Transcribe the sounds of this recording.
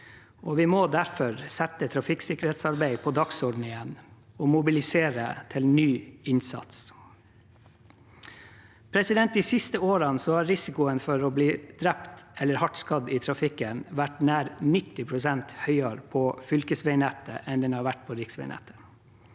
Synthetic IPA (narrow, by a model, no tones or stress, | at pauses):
oːʋɪmod̪æɾfɔɾsɛt̪ət̪ʰɾɑfɪksɪkəɾheːt̪sɑɾbæɪpʰɔd̪ɑksɔɖn̩ɪɛn | ɔːmʊbɪlɪseːɾə̰t̪ʰɪlnyːɪnsɑ̰t̪s | pʰɾɛsɪd̪ɛnt̪̚d̪iːsɪst̪əoːɾɑnsɔhɑːɾɪsɪkʊənfɔɾɔːbliːd̪ɾɛpt̪ɛlːəɾhɑʈskɑd̪iːt̪ʰɾɑfɪkːənʋæʈnæːɾnɪt̪ːɪpʰɾʊsɛnt̪hœʏɑɾpʰɔːfʏlkəsʋæɪnɛt̪ə̰ʔɛnd̪ɛnhɑːɾʋæʈ̚pʰɔɾɪksʋɛ̰ɪnæ̰t̪ə̥